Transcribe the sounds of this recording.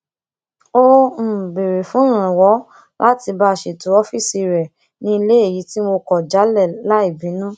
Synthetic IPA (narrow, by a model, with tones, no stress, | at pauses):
o˦m̩˨be˨ɾe˨fũ˨˦ɾ̃ã˨wɔ˨˦ | lʔa˦ti˧ba˧˦˨ʃe˨tu˨˦ɔ˦fi˦˨si˧ɾɛ˨ | nĩ˧˦i˧le˦e˦˨ji˨˦ti˦mo˧kɔ˨d͡ʒa˨˦lɛ˦˨la˦i˦˨bĩ˨˦nũ˦